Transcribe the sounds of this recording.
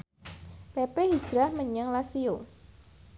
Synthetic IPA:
pepehid̥ʒ̥ɾahməɲəŋlasio

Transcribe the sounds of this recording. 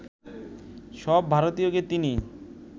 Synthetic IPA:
ʃɔbʱaɾot̪ijoket̪ini

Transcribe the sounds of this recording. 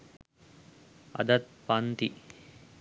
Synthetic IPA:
ɐ̰d̪ɐt̪̚pɐnt̪i

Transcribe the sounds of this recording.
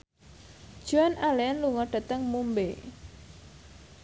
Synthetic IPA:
d̥ʒ̥uanaleanluŋɔɖ̥a̤t̪əŋmumbe

